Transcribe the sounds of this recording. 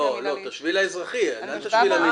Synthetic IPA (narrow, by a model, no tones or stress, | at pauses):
olot̪aʃvilaezʁaχienant̪aʃvilami